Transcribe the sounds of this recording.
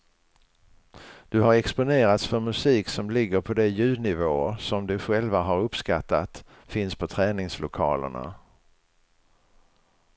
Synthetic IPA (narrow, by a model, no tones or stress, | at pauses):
d̪̥ɵɦaɾɛkspʊneːɾat̪sfœɾmɵsiːksɔmlɪɡːəɾpʰɔd̪ɛjʉ̟ːd̪nɪvoːsɔmd̪ɵɧɛlvaɦaɾɵpskat̪ːat̪ | fɪnspʰɔt̪ʰɾɛːnɪŋslʊkʰɑ̰ːlə̰ɳa̰